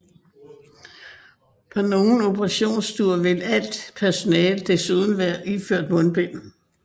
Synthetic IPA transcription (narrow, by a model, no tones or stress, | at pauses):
pʰɒno̝ːn̩o̝bʰəʁɑ̈ɕo̝̰ːnsd̥uɐʋe̝læl̰d̥pʰæɐso̝nɛːld̥e̝suð̞ˠn̩ʋæːɐʔiføɐ̰d̥mɔ̽nb̥en̰